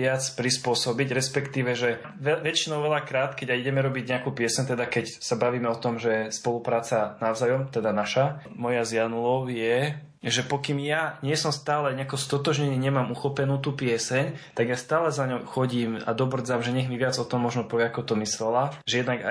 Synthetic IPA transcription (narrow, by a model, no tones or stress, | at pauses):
ɪat͡spɾispʊɔsɔbiɟɾɛspɛkt̪iːʋɛʒɛ | ʋɛʋɛt͡ʃinɔʊʋɛlakɾaːt̪kɛɟaiɟɛmɛɾɔbiɟɲɛakuːpɪɛsɛɲt̪ɛd̪akɛcsabaʋiːmɛɔt̪ɔmʒɛspɔlupɾaːt͡sanaʊzajɔmt̪ɛd̪anaʃa | mɔjazɪjanulɔʊjɛ | ʒɛpɔkimjaɲɪɛsɔmst̪aːlɛɲɛakɔst̪ɔt̪ɔʒɲɛniːɲɛmaːmuxɔpɛnuːt̪uːpɪɛsɛɲt̪aɡjast̪aːlɛzaɲɔʊxɔɟiːma̰d̪ɔbr̩d͡zamʒɛɲɛɣmiʋɪad͡zɔt̪ɔmːɔʒnɔpɔʋɪɛakɔt̪ɔmislɛlaʒɛjɛd̪naɡa